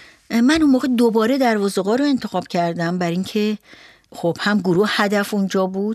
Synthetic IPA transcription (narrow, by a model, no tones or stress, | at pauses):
mænunmoːɣed̪obɒːɾe̞d̪æɾvɒːzeɣɒːɾoe̞nt̪ʰe̞xɒːb̥cʰæɾd̪æmbæɾiŋcʰe̞ | xob̥hæmɡuɾuhhæd̪æfund͡ʒɒːbuːd̪̥